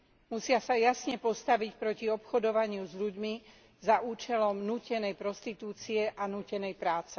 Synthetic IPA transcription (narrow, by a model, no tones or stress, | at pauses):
musɪasajasɲɛpɔst̪aʋicpɾɔciɔpxɔd̪ɔʋaɲɪuzʎuɟmi | zaʔuːt͡ʃɛlɔmnuːcɛnɛjpɾɔst̪it̪uːt͡siɛʔanuːcɛnɛjpɾaːt͡sɛ